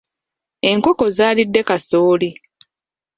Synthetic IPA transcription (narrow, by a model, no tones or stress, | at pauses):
e̞ŋko̞ko̞zaːlidːe̞kasoːli